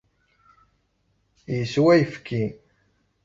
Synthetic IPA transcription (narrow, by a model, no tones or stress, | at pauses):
jəswæjəfkin